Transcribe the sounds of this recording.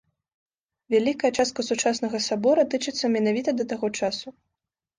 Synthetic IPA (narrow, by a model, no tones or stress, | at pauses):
vʲalʲikɐjɛt͡ʂast̪̚kɐsut͡ʂasnɐɣɐsabɔɾɐt̪ɨt͡ʂɨt̪sːɐmʲɛnavʲit̪ɐd̪ɐt̪aɣɔt͡ʂasu